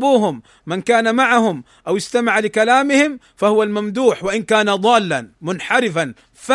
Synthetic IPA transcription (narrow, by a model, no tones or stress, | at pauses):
buːɦʊmː | ankaːnamaʕahʊm | ʔawɪst̪amaʕalɪkalaːmɪhɪm | fahʊwalmamd̪uːħwaʔɪnkaːnaðˤɑːlːanmʊnħaɾɪfan | fa